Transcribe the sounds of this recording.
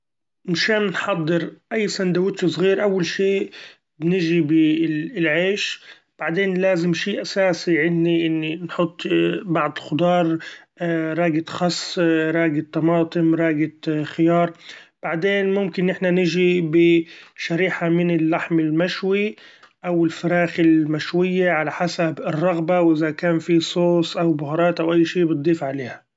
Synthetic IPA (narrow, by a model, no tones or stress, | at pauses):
mɪʃaːnnħɑd̪ˤːɨɾʔajːsand̪awɪt̪ːusˤɣiːɾʔawːalʃiːʔ | nɪʒibɪlʕeːʃ | b̥aʕd̪eːnlaːzɪmʃiːʔasaːsiʕɪnːiʔɪnːinħʊt̪ˤːbɑʕd̪ˤɪlxʊd̪ˤɑːɾˤ | ɾˤɑːɡɪt̪xɑsˤːɾˤɑːɡɪt̪ːɑmɑːt̪ˤɨmɾˤɑːɡɪxɪjɑːɾˤb̥aʕd̪eːnmʊmkɪnʔɪħnanɪʒibɪʃaɾiːħamɪnɪlːaħmɪlmaʃwi | ʔawɪlfaɾɑːxɪlmaʃwɪjːaʕalaħasabɪrˤːɑɣbawʔɪðakaːnfisˤoːsˤʔawbʊhɾˤɑːt̪ʔawʔajːʃiːbɨt̪̚d̪ˤːiːfʕaleːha